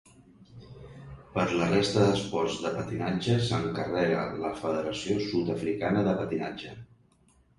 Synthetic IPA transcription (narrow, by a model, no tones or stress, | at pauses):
pəɾlərest̪əðəspɔɾzðəpət̪inad͡ʒəsəŋkərɛɣələfəðəɾəsiosut̪əfɾikanəðəpət̪ina̰d͡ʒə